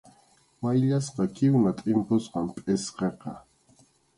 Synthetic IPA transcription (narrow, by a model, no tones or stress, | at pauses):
wajʎasqɑkɪwnat̪ʼɪmpʊsqɑmpʼesqeqɑ